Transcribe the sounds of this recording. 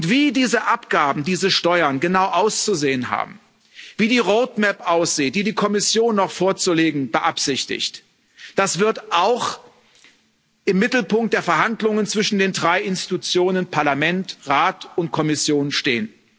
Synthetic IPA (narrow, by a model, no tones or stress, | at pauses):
ʊntv̥iːdiːzəʔapɡ̥aːbm̩diːzəʃtɔʏɐnɡənaʊʔaʊst͡suzeːənɦa̰ːb̚m̩ | v̥iːdiːʁoʊtmɛpʔaʊsz̥iːt̚d̥iːdiːkʰɔmɪsjoːnːɔχfoːɐt͡suleːɡŋ̩bəʔapz̥ɪçtɪ̰çt | d̥asv̥ɪɐtʔaʊx | ʔɪmːɪtl̩pʊŋkt̚d̥eːɐfɛɐɦandlʊŋənt͡sv̥ɪʃn̩deːndʁaɪɪnsti̥tut͡sjoːnənpʰaɐlamɛntʁaːtʊntkʰɔmɪsjoːnʃtḛːən